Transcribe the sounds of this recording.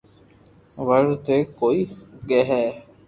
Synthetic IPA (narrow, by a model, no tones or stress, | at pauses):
ʋəɽt̪eːkoːiːɡeɦɛː